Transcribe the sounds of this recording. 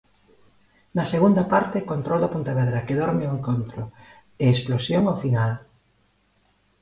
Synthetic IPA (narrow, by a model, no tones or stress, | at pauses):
nɐseɣund̪ɐpaɾt̪ɪkont̪ɾɔld̪ɐpunt̪aβɛðɾɐkeðɔɾmeoeŋkont̪ɾʊ | eesplosjoŋafinal